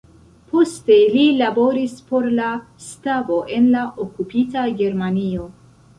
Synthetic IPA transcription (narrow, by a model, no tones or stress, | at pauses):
po̞ste̞lilabo̞ɾispo̞ɾla | stavo̞ʔe̞nlaʔokupitaɡe̞ɾmanio̞